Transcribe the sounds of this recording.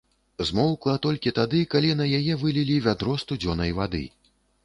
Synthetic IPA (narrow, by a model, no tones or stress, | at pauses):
zmɔwklˠɐt̪ɔlʲkʲit̪ad̪ɨkalʲinɐjajɛvɨlʲilʲivʲad̪ɾɔst̪ud͡zʲɔnɐjvad̪ɨ̰